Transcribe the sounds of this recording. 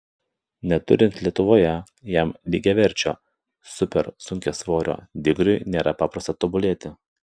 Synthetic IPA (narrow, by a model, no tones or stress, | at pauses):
nʲɛt̪ʊɾʲɪnʲt̪ʲlʲiɛt̪ʊʋoːjɛ | jɛmlʲiːɡʲɛʋʲɛɾʲt͡ʃʲo̰ː | sʊpʲɛɾsʊŋʲkʲɛsʋoːɾʲo̰ːd̪ʲɪɡɾʲʊɪnʲeːɾɐpɑːpɾɐst̪ɐt̪ɔbʊlʲeːt̪ʲɪ